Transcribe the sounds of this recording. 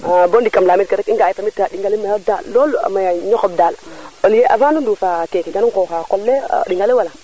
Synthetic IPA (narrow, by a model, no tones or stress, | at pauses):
abondikamlaːmit̚kaɾɛkiŋɡaːjfamitɾaɗiŋɡalimajadalːɔla̰majaɲɔkɔb̚daːloljeʔavanuduːfaːkekiɡaniŋkoxakɔlːɛ̰ɗiŋɡalewala